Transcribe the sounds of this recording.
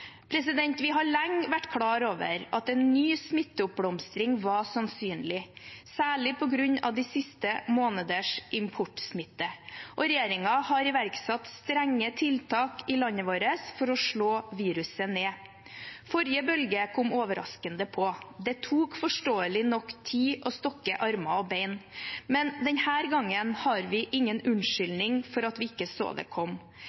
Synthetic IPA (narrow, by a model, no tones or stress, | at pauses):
pʰɾɛsɪd̪ɛnt̪ʋɪɦɑɭɛŋʋæʈːkʰɽɑːɾoːʋə̰ɾɑt̪ɛnːyːsmɪt̪ːəʊp̚bɽɔmst̪ɾɪŋʋɑsɑnsyːnlɪsæːɭɪpʰɔɡɾʉɲɑ̰ʋd̪isɪst̪əmoːnəd̪əʂʔɪmpʰʊʈːsmɪt̪ːəʔɔɾɛjeːɾɪŋɑhɑɾɪʋæɾksɑt̪st̪ɾɛŋːət̪ʰɪlt̪ʰɑːkɪlɑnːəʋoːɾəsfɔɾɔʂɭoːʋiːɾʉsəneː | fɔɾjəbœlɡəkʰɔmoːʋəɾɑ̰skənd̪əpʰɔd̪ɛt̪ʰuːkfɔʂʈoːəlɪnɔkːt̪ʰiːʔɔst̪ɔkːəʔɑɾmɑɔbeɪnmɛnd̪ɛnhæːɾɡɑŋːənhɑɾʋɪʔɪŋːənʉnʂʏlnɪŋfɔɾɑt̪ʋɪːɪkːəso̰ːd̪ɛ̰kʰɔm